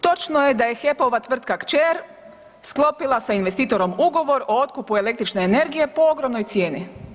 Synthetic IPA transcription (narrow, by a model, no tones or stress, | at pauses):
t̪o̞t͡ʃnoje̞d̪aje̞xe̞poʋat̪ʋr̩t̪kakt͡ʃeɾ | sklˠo̞pilˠasainʋe̞st̪iːt̪o̞ɾo̞muɡo̞ʋo̞ɾo̞o̞t̪kupue̞le̞k̚t̪ɾit͡ʃne̞ːne̞ɾɡije̞po̞oɡɾo̞mno̞jt̪sje̞ːni